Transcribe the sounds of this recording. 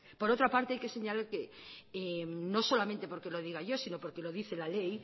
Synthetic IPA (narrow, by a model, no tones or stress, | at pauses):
po̞ɾot̪ɾapaɾt̪eajkese̞ɲalaɾke | enoso̞lamẽnt̪e̞poɾke̞loð̞iɣaʝo̞sinopo̞ɾkeloðiθelalej